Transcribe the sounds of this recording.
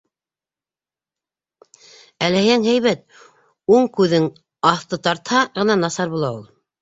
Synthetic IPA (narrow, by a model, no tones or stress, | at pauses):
ælæhæŋɦæjβæt̪̚ | uɴkʉðɘŋ | ɑθt̪ɤt̪ɑɾt̪hɑʁɤ̆nɑnɑsɑɾβbulˠɑulˠ